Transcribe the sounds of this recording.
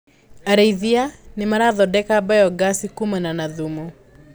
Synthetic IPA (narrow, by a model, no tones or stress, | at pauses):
aɾaiðianɪmaɾaːðɔdɛkaːbajɔɡasikumananaðumɔ